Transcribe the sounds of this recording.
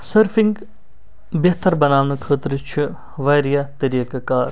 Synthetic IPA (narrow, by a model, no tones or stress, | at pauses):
səɾfʰiŋɡ | bjɐɦt̪ɐɾbɐnaːʋnukʰəːt̪ɾt͡ʃʰi | ʋaːjɾijat̪ɐɾiːkakaːɾ